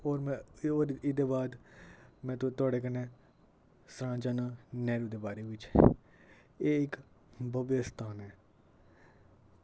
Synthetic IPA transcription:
oːɾmɛ̃ːɾɪd̪eːbaːd̪mɛ̃ːt̪t̪ʊaːɽeːkənɛ̃ː | sɾãːd͡ʒaːnãːnɛːɾuːd̪eːbaːɾeːʋɪt͡ʃ | eːɪk | bəbest̪ʰaːnɛː

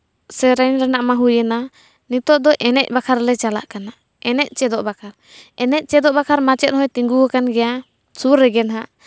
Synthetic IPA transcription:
sɛɾɛnɾɛnaʔmaɦujɛna | nit̪ɔʔd̪ɔʔɛnɛc̚bakʰaɾlɛt͡ʃala̰ʔkana | ɛnɛc̚ˀt͡ʃɛd̪ɔʔbakʰaɾ | ɛnɛc̚ˀt͡ʃɛd̪ɔʔbakʰaɾmat͡ʃɛt̪̚hɔjt̪iŋɡuakanɡɛja | suɾːɛɡɛnɦaʔ

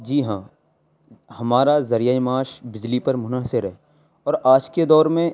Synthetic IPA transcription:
d͡ʒiːɦãː | hɐmaːɾazɐɾijaːimaːʃbɪd͡ʒlipɐɾmʊnaːsɪɾɦɛː | ɔːɾaːd͡ʒked̪ɔːɾmẽ

